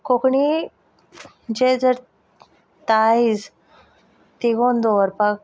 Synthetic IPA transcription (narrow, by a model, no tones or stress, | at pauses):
kokɳi | d͡ʑed͡zəɾ | t̪ais | t̪iɡond̪oʋəɾpak